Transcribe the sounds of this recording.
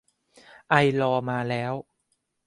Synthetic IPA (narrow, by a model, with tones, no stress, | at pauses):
ʔa˧jlɔː˧maː˧lɛː˦˥w